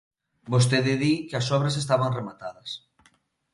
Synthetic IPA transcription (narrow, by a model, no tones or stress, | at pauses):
bos̬t̪eðɪðikɪɐsɔβɾɐs̬est̪aβaŋremat̪aðɐs